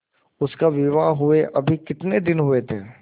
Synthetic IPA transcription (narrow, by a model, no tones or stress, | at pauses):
ʊskaʋɪʋaɦʊeʔɐbʱikɪt̪ned̪ɪnɦʊet̪ʰeː